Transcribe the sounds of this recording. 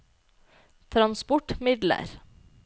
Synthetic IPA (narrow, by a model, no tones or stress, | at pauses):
t̪ʰɾɑnspɔʈmɪd̪lə̰ɾ